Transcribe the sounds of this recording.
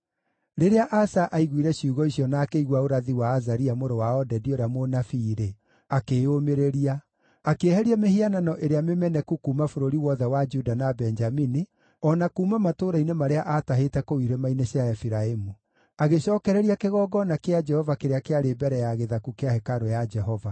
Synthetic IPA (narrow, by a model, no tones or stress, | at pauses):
ɾeɾeaʔasaʔaiɣwiɾɛɕjuɣɔiɕjɔnaːkeiɣwaoɾaðiwaːzaɾiamoɾowaɔdɛdioɾeamonafiːɾe | akeːomeɾeɾia | akeːhɛɾiamehiananɔʔeɾeamemɛnɛkukumafoɾoɾiwɔðɛwad͡ʒudanabɛnd͡ʒamini | ɔnakumamatoɾainemaɾeaʔataɦetɛkowiɾemainesjaɛfiɾaemu | aɣeɕɔːkɛɾɛɾiakeɣɔɡɔnakead͡ʒɛhɔvakeɾeakeaɾebɛɾɛjaɣeðakukeahɛkaɾojad͡ʒɛɦɔva